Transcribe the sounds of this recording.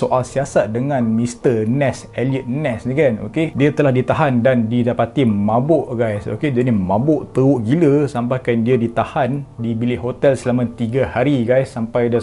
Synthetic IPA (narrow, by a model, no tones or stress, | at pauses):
soʔalsiasat̪̚dəŋãnmĩst̪ənɛs | ɛliət̪̚nɛsnikano̰kediat̪əlahdit̪aɦandandidapat̪imãbʊʔɡajso̰ked͡ʒanimãbʊʔt̪əuʔɡiləsampajkandiadit̪ahandibilɪʔɦot̪ɛlsəlamãt̪iɡahaɾiɡajsːampajda